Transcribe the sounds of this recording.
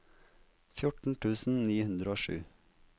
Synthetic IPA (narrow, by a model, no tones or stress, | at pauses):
fjʊʈɳ̩ʈʰʉːsn̩niːhʉnd̪ɾəoːʃʉ̰ː